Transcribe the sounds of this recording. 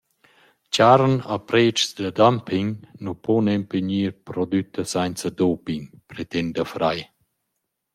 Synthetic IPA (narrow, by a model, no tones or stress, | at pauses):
t͡ɕaɾna̰pɾet͡ʃsd̪əd̪ampiŋnupɔnɛmpeɲiːɾpɾɔd̪yt̪əsajnt͡səd̪opiŋpɾet̪ɛnd̪əfɾaj